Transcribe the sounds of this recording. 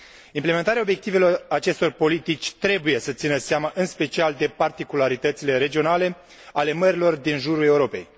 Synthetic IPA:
impleme̞nt̪aɾeao̞bje̞k̚t̪ive̞lo̞rat͡ʃe̞st̪o̞rpo̞lit̪it͡ʃʲt̪ɾe̞buje̞sət̪sinəseaməʔɨnspe̞t͡ʃiald̪e̞part̪ikulaɾit̪ət̪sile̞ɾe̞d͡ʒio̞nale̞ | ale̞məɾilo̞rd̪inʒuɾule̞uɾo̞pe̞̰j

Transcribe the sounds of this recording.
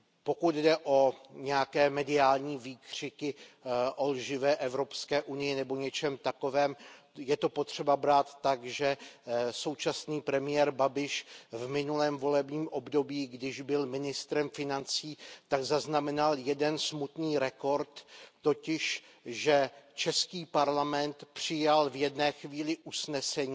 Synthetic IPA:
po̞kud̪dɛʔo̞ɲɛjakɛːmɛdɪaːlɲiːviːkr̝̥ɪkɪʔo̞lʒɪvɛːʔɛvɾo̞pskɛːʔunɪjɪnɛbo̞ɲɛt͡ʃɛmt̪ako̞vɛːm | jɛt̪o̞po̞t̪r̝̥ɛbabɾaːt̪ːaɡʒɛso̞wt͡ʃasniːpɾɛmɪjɛːɾbabɪʃvmɪnulɛːmvo̞lɛbɲiːmʔo̞bdo̞biːɡdɪʒbɪlmɪnɪst̪ɾɛmfɪnant͡siːt̪aɡzaznamɛnaljɛdɛnsmut̪niːɾɛko̞ɾt̪ːo̞cɪʃ | ʒɛt͡ʃɛskiːpaɾlamɛnt̪pr̥ɪjalvjɛdnɛːxviːlɪʔusnɛsɛɲiː

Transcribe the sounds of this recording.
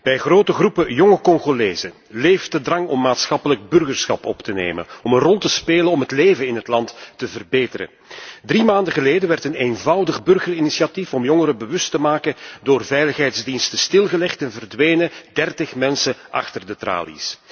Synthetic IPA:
b̥ɛjɣroːtəɣrupəjɔŋəkɔŋɣoleːzə | leːftədrɑŋɔmːaːtsxɑpələɡ̚bɵrɣərsxɑ̰pɔ̰ptənḛːmə̰nɔmənrɔlˠtəspeːlənɔmɦətleːvənɪnɦətlɑntːəvərbeːtəɾə̰ | drimaːndəɣəleːdəʋɛrtəneːnvɑwdəɣbɵrɣərinisiatifɔmjɔŋəɾəbəʋɵstəmaːkədoːrvɛjləxɦɛjtzdinstəstɪlˠɣəlɛxtɛnvərdʋeːnədɛrtəxmɛnsəʔɑ̰xtərdətra̰ːlḭs

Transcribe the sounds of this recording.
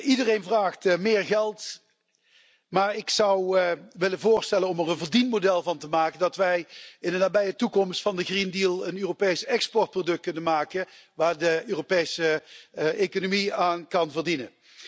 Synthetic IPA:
ʔidərejnvraːχtmɪːɹɣɛlˠt | maːɹɪksɑwʋɪlənvʊːɹstɛlənɔmərənvəɹdinmodɛlˠvɑntəmaːkəndɑtʋɛjɪndənaːbɛjətukɔmstfɑndəɣrindiːlˠənøːropejsɛkspɔrt̚prodɵk̚t̚kɵnənmaːkəʋaːɹdəøːropejsə | ekonomiaːnkɑnvəɹdinən

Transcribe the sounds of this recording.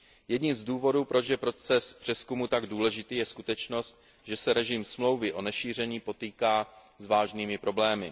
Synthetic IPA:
jɛdɲimzduːvo̞duːpɾo̞t͡ʃjɛpɾo̞t͡sɛspr̝̥ɛskumut̪aɡduːlɛʒɪt̪iːjɛskut̪ɛt͡ʃno̞st̪̚ | ʒɛsɛɾɛʒɪmsmlo̞wvɪʔo̞nɛʃiːr̝ɛɲiːpo̞t̪iːkaː | zvaːʒniːmɪpɾo̞blɛːmɪ

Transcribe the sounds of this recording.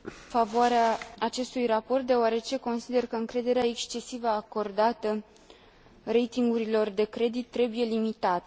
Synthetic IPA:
favoaɾeaːt͡ʃe̞st̪ujrapo̞rt̪̚d̪e̞oaɾe̞t͡ʃe̞ko̞nsid̪e̞rkəɨŋkɾe̞d̪e̞ɾeae̞kst͡ʃe̞sivəako̞rd̪at̪ə | re̞jt̪iŋɡuɾilo̞rd̪e̞kɾe̞d̪it̪ːɾe̞buje̞limit̪at̪ə

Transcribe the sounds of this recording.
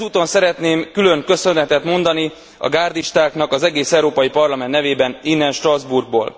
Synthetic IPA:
uːt̪o̞nsɛɾɛt̪neːmkylø̞ŋkø̞sø̞nɛt̪ɛt̪mo̞nd̪ɒni | ɒ̰ɡaːrd̪iʃt̪aːknɒkɒzɛɡeːsɛuɾoːpɒjipɒrlɒmɛnːɛveːbɛninːɛnʃt̪rɒzburɡ̚bo̰ːl

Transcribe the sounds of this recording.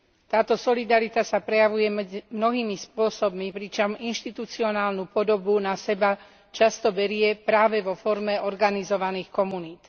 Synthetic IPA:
t̪aːt̪ɔsɔlid̪aɾit̪asapɾɛjaʋujɛmɛmnɔɦiːmispʊɔsɔb̚mipɾit͡ʃɔminʃt̪it̪ut͡siɔnaːlnupɔd̪ɔbunasɛba | t͡ʃast̪ɔbɛɾɪɛpɾaːʋɛʋɔfɔɾmɛʔɔɾɡanizɔʋaniːxkɔmuniːt̪

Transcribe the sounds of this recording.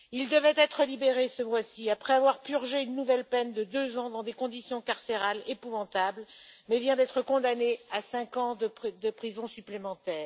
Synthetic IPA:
ild̪əvɛt̪ɛt̪χəlibeʁesəvwasiapχɛavwaʁpyʁʒeynːuvɛlpɛnd̪əd̪øzɑ̃d̪ɑ̃d̪ekɔ̃d̪isjɔ̃kaʁseʁalepuvɑ̃t̪ablmɛvjɛ̃d̪ɛt̪χəkɔ̃d̪aneasɛ̃kɑ̃d̪əpd̪əpχizɔ̃syplemɑ̃t̪ɛːʁ

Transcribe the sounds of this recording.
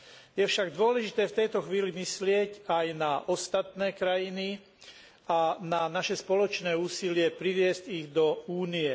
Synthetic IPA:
jɛfʃaɡd̪ʊɔlɛʒit̪ɛːft̪ɛjt̪ɔxʋiːlimislɪɛcajnaʔɔst̪at̪nɛːkɾajini | ananaʃɛspɔlɔt͡ʃnɛːuːsilɪɛpɾiʋɪɛsciɣd̪ɔuːniɛ

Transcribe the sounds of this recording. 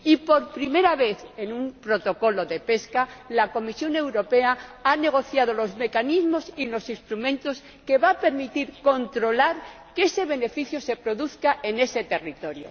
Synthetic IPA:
ipo̞ɾpɾime̞ɾaβe̞θe̞numpɾo̞t̪o̞ko̞lo̞ðe̞pe̞skalako̞misjo̞ne̞wɾo̞pe̞aane̞ɣ̞o̞θjaðo̞lo̞zme̞kanizmo̞silo̞sist̪ɾumẽ̞nt̪o̞s | ke̞βape̞ɾmit̪iɾko̞nt̪ɾo̞laɾ | ke̞se̞β̞e̞ne̞fiθjose̞pɾo̞ðuθkaʔe̞ne̞se̞t̪e̞rit̪o̞ɾjo̰

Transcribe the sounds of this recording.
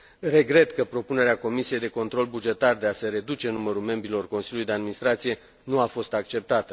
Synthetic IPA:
re̞ɡɾe̞t̪kəpɾo̞pune̞ɾeako̞misije̞jd̪e̞ko̞nt̪ɾo̞lbud͡ʒe̞t̪ard̪e̞aseɾe̞d̪ut͡ʃe̞numəɾulme̞mbɾilo̞rko̞nsiljulujd̪e̞ad̪minist̪ɾat̪sije̞ | nuafo̞st̪ak̚t͡ʃe̞p̚t̪at̪ə

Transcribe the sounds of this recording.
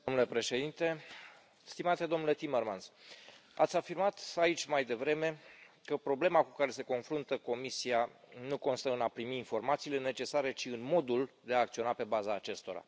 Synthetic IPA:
d̪omnule̞pɾe̞ʃe̞d̪int̪e̞ | st̪imat̪e̞d̪o̞mnule̞t̪imermansa̰t̪sʲafirmat̪ait͡ʃʲmajd̪e̞vɾe̞me̞kəpɾo̞ble̞makukaɾe̞se̞ko̞nfɾunt̪əko̞misianuko̞nst̪əɨnapɾimiːnfo̞rmat̪siːle̞ne̞t͡ʃe̞saɾe̞t͡ʃiɨnmo̞d̪uld̪e̞aːk̚t̪sio̞nape̞bazaːt͡ʃe̞st̪o̞ɾa̰

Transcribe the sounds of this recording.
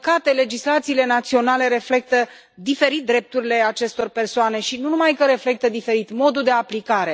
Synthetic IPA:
kat̪e̞le̞d͡ʒislat̪siːle̞nat̪sio̞nale̞ɾe̞fle̞k̚t̪ə | d̪ife̞ɾit̪̚d̪ɾe̞p̚t̪uɾile̞at͡ʃe̞st̪o̞rpe̞rsoane̞ʃinunumajkəɾe̞fle̞k̚t̪əd̪ife̞ɾit̪mo̞d̪uld̪e̞aplikaɾe̞

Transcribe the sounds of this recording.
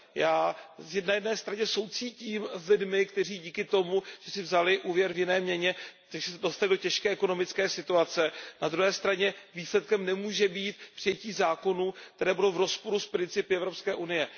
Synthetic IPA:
jaːzjɛdnajɛdnɛːst̪ɾaɲɛso̞wt͡siːciːmzlɪdmɪkt̪ɛr̝iːɟiːkɪt̪o̞muʒ̥ɛsɪvzalɪʔuːvjɛɾvjɪnɛːmɲɛɲɛt̪akʒɛsɛdo̞st̪alɪdo̞cɛʃkɛːʔɛkono̞mɪt͡skɛːsɪt̪uat͡sɛnad̪ɾuɦɛːst̪ɾaɲɛviːslɛt̪̚kɛmnɛmuːʒɛbiːt̪pr̥ɪjɛciːzaːko̞nuːk̚t̪ɛɾɛːbudowvɾo̞spo̞ɾuspɾɪnt͡sɪpɪɛvɾo̞pskɛːʔunɪjɛ

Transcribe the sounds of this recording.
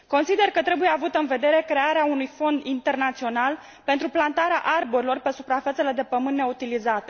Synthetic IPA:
ko̞nsid̪e̞rkət̪ɾe̞buje̞avut̪əɨnve̞d̪e̞ɾe̞kɾe̞aɾeaunujfo̞nd̪int̪e̞rnat̪sio̞nal | pent̪ɾuplant̪aɾea̰ʔarboɾilo̞rpe̞supɾafet̪se̞le̞d̪e̞pəmɨnːe̞ut̪ilizat̪e

